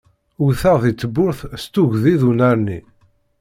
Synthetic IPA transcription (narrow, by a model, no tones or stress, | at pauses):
uθəʁðit͡sːəbːʊɾθst̪ʊʝðiðunæɾnḭ